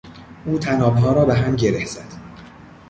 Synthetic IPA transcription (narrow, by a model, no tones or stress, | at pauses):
ʔuːt̪ʰænɒːbɦɒːɾɒːbeɦæmɟeɾehz̥æd̪̥